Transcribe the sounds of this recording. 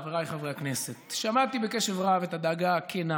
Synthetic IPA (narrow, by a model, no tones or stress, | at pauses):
veʁajχavʁeakne̞set̪ʃamadt̪ibe̞ke̞ʃevʁavet̪ad̪aːɡakʰena